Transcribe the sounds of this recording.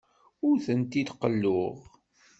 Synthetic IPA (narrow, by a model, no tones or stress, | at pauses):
ʊɾθənt̪id̪qəlːʊʁ